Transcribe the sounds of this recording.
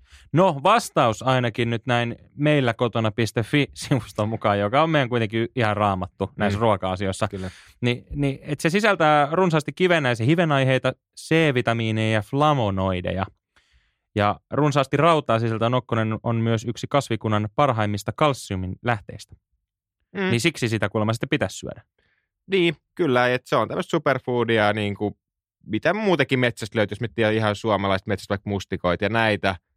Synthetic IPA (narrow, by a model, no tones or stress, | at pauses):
noʋɑst̪ɑusɑinɑkinnyt̪næin | meilːækot̪onɑpist̪efːisiʋust̪omːukɑːjokɑomejæŋkuit̪eŋkiihɑrrɑːmɑt̪ːunæisruɑkɑɑsio̞isːɑ | niniet̪sesisælt̪æːrunsɑːst̪ikiʋenːæjsehiʋenɑjɦejt̪ɑ | seːʋit̪ɑmiːnejjɑflɑmonoidḛjɑ | jɑrunsɑːst̪irɑwt̪ɑːsiselt̪ænokːonenonmyøsyksikɑsʋikunːɑnpɑrɦɑimːist̪ɑkɑlsːiuminlæht̪ḛist̪æ̥ | nisiksisit̪ækulmɑsit̪ːepit̪æssy̰ø̰dæ | niːkylːæet̪seont̪æmːəst̪superfuːdiɑniːŋku | mit̪æmuːt̪ɑkimet̪sæst̪løyt̪josmyt̪ːiæihɑnsuomɑlɑist̪met̪sæst̪ʋɑikmust̪ikoit̪jɑnæit̪æ